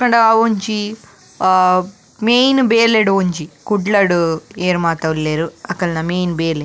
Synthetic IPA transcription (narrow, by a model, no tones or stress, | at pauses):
kɐɳɖɐʋoɲt͡ʃi | meːjnbeːleɽoɲt͡ʃikuɖlɐɽueːɾmaːt̪ɐʋulːeːɾuɐkːɐlɐnɐmeːnbeːle